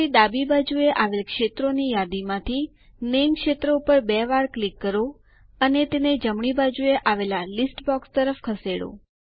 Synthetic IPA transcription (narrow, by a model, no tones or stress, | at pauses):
id̪abibad͡ʒueʔaʋelkʃet̪ɾonijad̪imãt̪ʰi | nemkʃet̪ɾəupəɾbɛʋaɾklikːəɾo | ənet̪ened͡ʒəmɳ̃ibad͡ʒueʔaʋelalisʈbɔkst̪əɾəfkʰəseɽo̰